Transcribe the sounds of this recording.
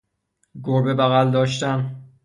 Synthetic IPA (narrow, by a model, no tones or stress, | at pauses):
ɡoɾbebæɣæld̪ɒːʃt̪æn